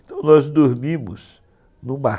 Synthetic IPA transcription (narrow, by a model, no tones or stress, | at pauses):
t̪ɐ̃w̃nɔzd̪oɾmĩmʊ̰s | nũma